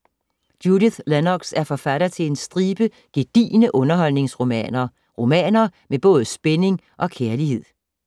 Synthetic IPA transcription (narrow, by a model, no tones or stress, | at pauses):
d̥judiθlænɒɡ̥sæɐfɒ̽fæɾɐt͡sʰe̝le̝nsd̥ʁiːb̥ə | ɡ̥e̝d̥ḭːnəʔɔ̽nɐɦɒ̽l̰ne̝ŋsʁo̝mɛ̰ːnɐ | ʁo̝mɛ̰ːnɐmeb̥ɔ̽ːð̞̩ˠsb̥ene̝ŋ | ʔɒ̽kʰeɐlihe̝ð̰ˠ